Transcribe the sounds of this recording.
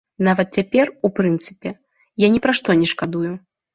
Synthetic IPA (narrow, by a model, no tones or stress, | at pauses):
navɐt̪̚t͡sʲapʲɛrupɾɨnt̪sɨpʲɛ | janʲɛpɾaʂt̪ɔnʲɛʂkad̪uju